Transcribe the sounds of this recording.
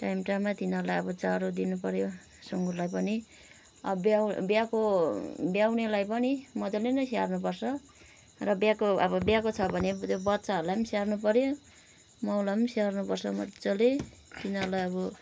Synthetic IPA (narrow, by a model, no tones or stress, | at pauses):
ʈajmʈamːat̪inʌɾlajʌbʌt͡saɾod̪inupʌɾjo | suŋɡurlajpʌni | ʌbbabjakobjawnelajpʌnimʌd̪olenʌsiarnupʌrsʰʌ | rʌbjakoʌbʌbjakot͡sʰʌbʱʌnet̪jobʌt̪ːt͡saɦʌɾlajʌmsearnupʌɾjo | mʌwlaʌmsearnupʌrsʌmʌ̰t̪t͡sʌle | t̪inʌrlajʌbʌ